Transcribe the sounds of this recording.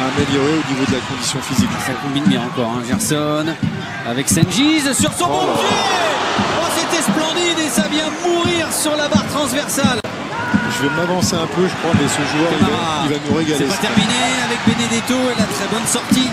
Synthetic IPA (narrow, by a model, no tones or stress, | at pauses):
aːmeljɔʁeonivod̪əlakɔ̃d̪isjɔ̃fiziksakɔ̃binbjɛ̃ɑ̃kɔʁɛ̰̃ʒɛʁsɔn | avɛksɛnʒizsyʁsɔ̃bɔ̃pi | maset̪ɛsplɑ̃d̪id̪esavjɛ̃muʁiʁsyʁlabaʁt̪χɑ̃zvɛʁsal | ʒəvɛmavɑ̃seɛ̃pøʒəkχwamɛsəʒuœʁaaʁaivanuʁeɡasɛepat̪ɛʁmineavɛk̚bened̪et̪oelat̪χɛbɔnsɔʁt̪i